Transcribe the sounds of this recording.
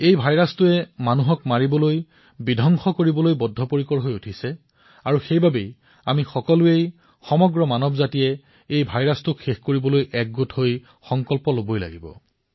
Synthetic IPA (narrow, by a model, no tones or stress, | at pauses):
ejbʱajɹastʊɛmanuɦɔkmaɹibɔloj | bidʱɔŋxɔkoɹibɔlojbɔdʱːɔpoɹikɔɹɦojutʰisɛ | aɹuxejbʱabej | amixɔkɔlʊej | xɔmɔɡɹɔmanɔbzatijɛ | ejbʱajɹastʊkxexkoɹibɔlojʔɛk̚ɡutɦoj | xɔŋkɔlpɔlobojla̰ɡibɔ̰